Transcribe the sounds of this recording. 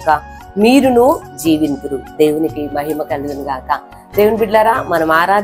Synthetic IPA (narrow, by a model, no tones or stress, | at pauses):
kɐ | miːɾunu | d͡ʒiːʋint̪uɾud̪eːwunikimɐɦimɐkɐɳɖid̪ɐnuɡaːkɐ | d̪̥e̞ːʋunibiɖlɐɾaːmɐnɐmaːɾaːd̪